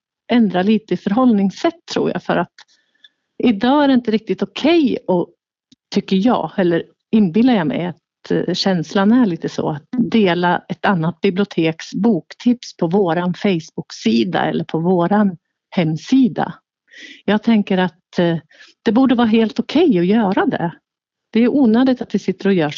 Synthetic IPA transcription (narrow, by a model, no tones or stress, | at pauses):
ʔɛnd̪ɾaliːt̪əɪfœɾɦɔlnɪŋsɛt̪ʰːɾṵːɾja̰fœ̰ɾʔat̪ | ɪd̪ɑːæɖɛɪnt̪əɾɪk̚t̪ɪt̪ɔkʰɛjɔ | t̪ʰʏkːəɾjɑ̰ːhɛlːəɾ | ɪnːbɪlːaɾjɑmɛ̰jat̪ | ɕɛnslanæɭiːt̪əsɔ̰at̪̚d̪eːlaɛt̪anːat̪̚bɪblɪʊt̪ʰeːksbuːkt̪ʰɪpspʰɔvoːɾanfɛjsb̥ʊksiːd̪a̰ɛ̰lːəɾpʰɔvoːɾan | hɛmːsiːd̪a̰ | jɑːɡt̪ʰɛŋkəɾat̪ | d̪̥ɛbuːɖəvɑːɦeːlt̪ʊkʰɛjɔjœːɾad̪ɛ̰ | d̪̥ɛjɵʔuːnøːd̪ɪt̪at̪d̪ɛsɪt̪ːəɾɔjœːʂ